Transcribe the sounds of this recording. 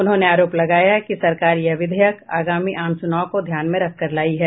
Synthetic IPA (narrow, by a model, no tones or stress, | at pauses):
ʊnɦõːneaːɾoːplɐɡaːjakisɐɾkaːɾjɐʋɪd̪ʱɛjəka̰ːɡaːmiʔaːmsʊnaːõkod̪ʱjaːnmẽɾɐk̚ʰkɐɾlaːiɦɛː